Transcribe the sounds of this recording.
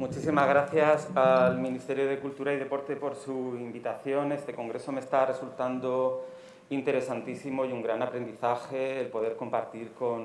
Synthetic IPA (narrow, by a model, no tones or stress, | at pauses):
mut͡ʃisimazɣ̞ɾaθjasalmĩnist̪e̞ɾjoð̞e̞kult̪uɾaiðe̞po̞ɾt̪e̞po̞ɾsuimbit̪aθjone̞st̪e̞kõ̞ŋɡɾe̞so̞mest̪are̞sult̪and̪o | int̪e̞ɾe̞sant̪isimo̞iuŋɡɾanapɾe̞nd̪iθaxe̞ːlpo̞ðe̞ɾko̞mpaɾt̪iɾko̞n